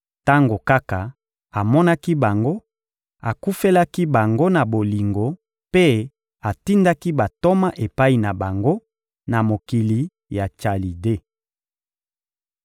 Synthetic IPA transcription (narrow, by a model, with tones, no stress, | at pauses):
ta˦ŋɡo˨ka˦ka˨ | a˨mɔ˦na˦ki˦ba˨ŋɡo˦ | a˨ku˦fe˦la˦ki˦ba˨ŋɡo˦na˨bo˨li˨ŋɡo˨ | pe˦ | a˨ti˦nda˦ki˦ba˨to˦ma˦ʔe˨pa˦i˨na˨ba˨ŋɡo˦ | na˨mo˨ki˨li˨ | ja˨t͡ʃa˨li˨de˦